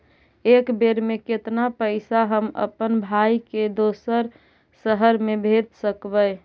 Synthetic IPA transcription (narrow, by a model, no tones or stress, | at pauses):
ekbeɾmeket̪napəɪsaɦəmə̰pənbʱaiked̪osəɾ | səɦəɾmebʱet̪səkbəɪ